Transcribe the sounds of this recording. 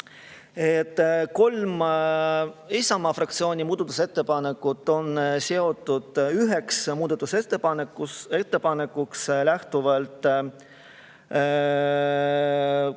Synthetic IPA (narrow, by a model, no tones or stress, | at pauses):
et̪ːˑko̞lm | ejsɑmɑfrɑkt̪sio̞ːnʲimuːd̪̥ɑt̪ːu̥se̞t̪ːe̞pɑne̞kːˑut̪ˑːo̞nse̞o̞t̪ːˑud̪̥yɦe̞ksmuːd̪ɑt̪ːˑuset̪ːepɑnekːue̞t̪ːe̞pɑne̞kːukslæht̪uvɑlt̪